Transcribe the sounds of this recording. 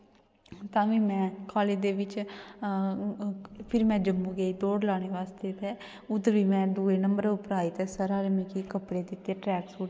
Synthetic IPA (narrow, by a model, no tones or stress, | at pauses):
t̪ãːʋĩːmɛ̃ːkʰaːleːd̪eːʋɪt͡ʃ | pʰɪɾimɛ̃ːd͡ʒəmbuːɡeiːd̪oːɽlaːɽ̃eːʋaːst̪eːt̪ɛː | ʊd̪əɾʋiːmɛ̃ːd̪uːeːnəmbəɾʊpɾaːiːt̪eːsəɾaːlmĩːkikəpɽeːd̪ɪt̪ːeːʈɾɛːksuːʈ